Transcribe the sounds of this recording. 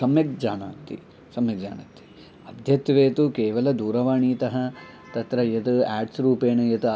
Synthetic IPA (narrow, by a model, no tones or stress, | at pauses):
sɐmjɐk̚d͡ʒaːnaːt̪ːḭ | sɐmjɐɡ̚d͡ʒa̰ːna̰t̪ːi̥ | ɐd̪ʱjɐt̪ʋeːt̪ukeːʋɐlɐd̪uːɾɐʋaːɳiːt̪ɐɦɐ̆ | t̪ɐt̪ɾɐjɐt̪uæːɖsɾuːpeːnɐjɐt̪